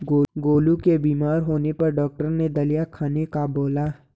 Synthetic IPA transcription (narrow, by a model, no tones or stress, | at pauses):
ɡoːɡoːlukebiːmaːɾɦoːnepɐɾɖɔːk̚ʈəɾned̪ɐlijakʰaːnekaboːlaː